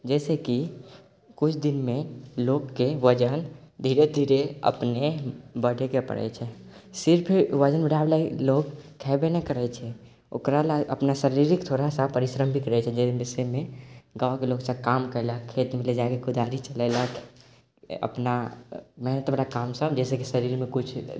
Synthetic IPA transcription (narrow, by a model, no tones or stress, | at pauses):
d͡ʒɛseki | kʊt͡ʃʰd̪inmẽlokːeʋəd͡ʒənd̪ʱiɾed̪ʱiɾeə̰pnebəɽekepə̰ɽɛ̰t͡ʃʰɛsɪɾpʰiɾʋəd͡ʒənbəɽ̤ʱablailoɡkʰːɛbenekəɾɛt͡ʃʰɛ | o̰kɾalaə̰pnasəɾiɾikt̪ʰoɾasapəɾisɾəmbʱit̪ɾɛt͡ʃʰɛd͡ʒɛbisemeɡakeloɡsəb̚kamkəɪləkʰːet̪miled͡ʒaekekud̪aɾit͡ʃəlɛɪlək | ə̰pnamɛɦnət̪mɾakamsəbd͡ʒɛːsekisəɾiɾmekut͡ʃʰ